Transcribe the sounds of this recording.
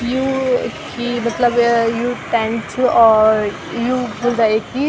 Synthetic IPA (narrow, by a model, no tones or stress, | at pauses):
juːkimɐt̪ləbjuːʈɛ̃nt͡ʃɔːɾ | juːbʊld̪aːeki